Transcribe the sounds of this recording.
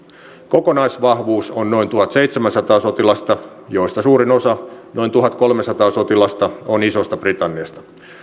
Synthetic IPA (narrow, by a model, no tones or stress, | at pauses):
ko̞konɑjsʋɑhʋuːsonno̞int̪uɦɑt̪sejt̪semænsɑt̪ɑːso̞t̪ilɑst̪ɑ | jo̞ist̪ɑsuːɾinosɑno̞int̪uɦɑt̪ko̞lmesɑt̪ɑːsot̪ilɑst̪ɑonisost̪ɑb̥rit̪ɑnːiɑst̪ɑ̥